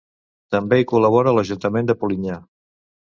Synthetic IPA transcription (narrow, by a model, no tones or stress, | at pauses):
t̪əmbeikuləβ̞ɔɾələʒunt̪əmend̪əpuliɲa